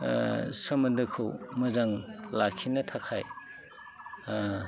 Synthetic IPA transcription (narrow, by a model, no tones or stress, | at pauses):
sɐmɐndɐkʰɯwmɐzaŋlakʰinɐtʰakʰaj